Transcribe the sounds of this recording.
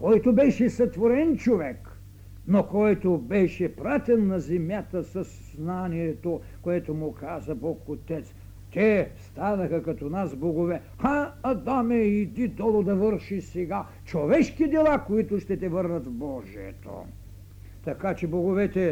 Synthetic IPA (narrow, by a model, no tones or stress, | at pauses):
kɔjt̪obɛʃɛsɐt̪voɾɛnt͡ʃovɛk | nokɔjt̪obɛʃɛpɾat̪ʲɛnːɐzɛmʲjat̪əsɐsznaniɛt̪o | koɛt̪omʊkazɐbɔkot̪ɛt̪s | t̪ɛst̪anɐxɐkɐt̪ɔnasboɡovɛ | xaɐd̪amɛid̪id̪ɔlˠod̪ɐvəɾʃisɛɡa | t͡ʃovɛʃkid̪ɛlˠakoit̪ʊʃt̪ɛt̪ɛvəɾnɐt̪vbɔʒiɛ̰t̪o̰ | t̪ɐkat͡ʃɛboɡovɛt̪ɛ